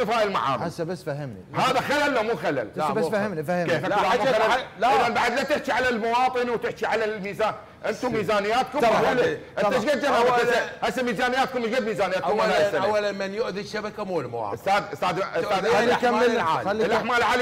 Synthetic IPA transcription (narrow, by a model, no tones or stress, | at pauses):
ɨfaːʔɪlma̰ʕa̰ːnasːabasːfahɪmnihaːðaxalalːamuːxala̰lbahɪmifahkeːfaklamuxalaɪðanbaʕad̪lat̪ɪħt͡ʃiʕalalmʊwɑːt̪ˤɨnwt̪ɪħt͡ʃiʕalamiːzaːn | ʔɪnt̪ummiːzaːnɪjːaːt̪̚kʊmalaʔɪnt̪aʃɡad͡ʒːaaaaʔasːamiːzaːnɪjaːt̪̚kʊmːɪʃɡad̪miːzaːnɪjaːtkʊmlaʔasaawːalanmanjʊʔðiʃːabakamulmawɑ̰ːɪst̪aːd̪st̪aːd̪st̪aːd̪aamʕaːlːlʔaħmaːlʕaːl